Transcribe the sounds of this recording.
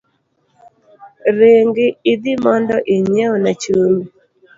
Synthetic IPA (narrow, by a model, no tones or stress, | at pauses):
ɾeŋɡɪːd̪ɪmɔndɔʔiɲɛɔnat͡ʃomi